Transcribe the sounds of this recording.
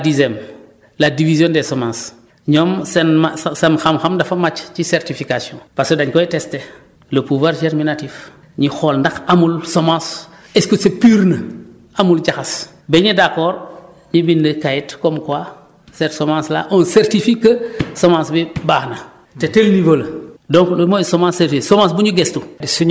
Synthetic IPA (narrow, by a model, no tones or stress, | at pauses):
dizɛm | ladivizjõndesomãːs | ɲɔmsenmasanxamxamdɐfamat͡ʃt͡ʃiseɾtifikasjõpaɾskədaɲkɔitɛste | ləpuvwaːɾd͡ʒeɾminatif | ɲixolndɐxamulsomãːs | ɛskəsepyːɾnə | amuld͡ʒaxas | bɛɲidakɔːɾ | ɲibindəkajitkɔmkwa | sɛtsomãːsla̰ʔonseɾtifikəsomãːsbibaːxnɐ | tetelnivoldɔ̃ŋklomosomãːseɾtisomãsbuɲuɡɛstudisuɲ